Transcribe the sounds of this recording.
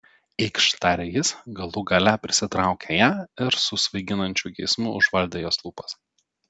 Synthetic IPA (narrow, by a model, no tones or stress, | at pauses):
ɛɪkʃt̪ɑɾʲɛjɪsɡɐlˠʊɡɐlʲæpʲɾʲɪsʲɪt̪ɾɑˑʊkʲeːjæːɪɾsʊsʋɐɪɡʲɪnɐnʲt͡ʃʲʊɡʲɛɪsmʊʊʒʋɐlʲd̪ʲeːjoːslˠuːpɐs